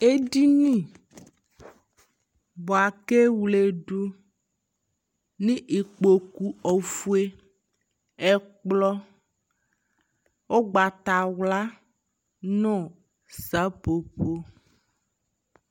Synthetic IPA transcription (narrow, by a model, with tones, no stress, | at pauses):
e˦di˦nĩ˦˨ | bɔ˨a˨ke˦wle˨ɖu˦ | nĩ˦ʔi˨k͡po˨ku˨ɔ˨fu˦e˦ | ɛ˦k͡plɔ˦ | wo˦ɡ͡ba˨t̪a˨wla˦ | nɔ̃˦˨ | sa˦po˨po˦